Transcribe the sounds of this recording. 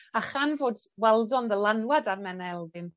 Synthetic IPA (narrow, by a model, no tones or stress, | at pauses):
aχanvoːdwɛlˠdɔnðəlˠanwadarmɛnɛlˠðɪn